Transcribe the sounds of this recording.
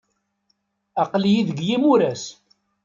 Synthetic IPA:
ɑqljiðəɡjimuɾæs

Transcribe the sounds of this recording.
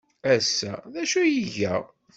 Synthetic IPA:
æsːæðæʃujiʝæ

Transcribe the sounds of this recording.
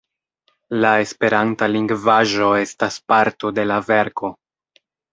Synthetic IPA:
lae̞spe̞ɾantaliŋɡvaʒo̞e̞staspaɾto̞de̞lave̞ɾko̞

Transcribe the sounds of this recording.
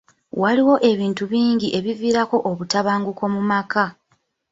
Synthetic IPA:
waliwo̞ʔe̞βiːntuβiːɲɟiʔe̞βiviːɾako̞ʔoβutaβaːŋɡuko̞mumaka

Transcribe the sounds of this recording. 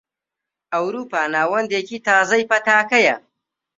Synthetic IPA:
ɐwɾuːpaːnaːwɐnd̪eːkit̪aːzɐjpɐt̪aːkɐjɐ

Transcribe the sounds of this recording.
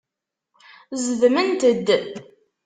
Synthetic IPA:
zəðmənt̪əd̪ːə

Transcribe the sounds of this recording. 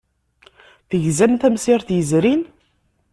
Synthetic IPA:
θəʝzænθæmsiɾθjəzɾin

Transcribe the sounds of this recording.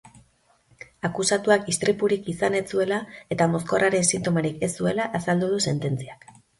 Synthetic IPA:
akusat̪uakist̪ɾipuɾikisane̞t͡sue̞lae̞t̪amo̞sko̞raɾe̞nsint̪o̞maɾikesue̞laʔasald̪uð̞use̞nt̪e̞nt͡siak

